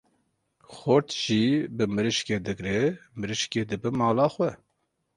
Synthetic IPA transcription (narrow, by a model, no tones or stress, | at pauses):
xoɾt̪ʒ̥ibɨmɨɾɨʃkeːd̪ɨɡɾɛmɨɾɨʃkeːd̪ɨbɨmɑːlɑːxwɛ